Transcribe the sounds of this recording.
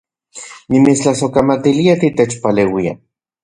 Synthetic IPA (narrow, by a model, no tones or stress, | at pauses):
nimit͡st͡ɬasokamat̪iliat̪it̪et͡ʃpaleːwia̰